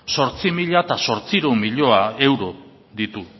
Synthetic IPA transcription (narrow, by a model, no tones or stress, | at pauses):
so̞ɾt͡simiʎaet̪aso̞ɾt͡siɾomiʎo̞ae̞wɾo̞ | ðit̪u